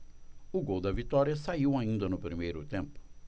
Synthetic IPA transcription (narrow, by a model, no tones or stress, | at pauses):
ʊɡowd̪ɐvit̪ɔɾiɐsaiwaĩnd̪ɐnʊpɾimejɾʊt̪ẽmpʊ̥